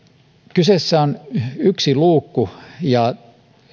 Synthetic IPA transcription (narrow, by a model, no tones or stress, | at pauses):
kysesːæonyksiluːkːujɑ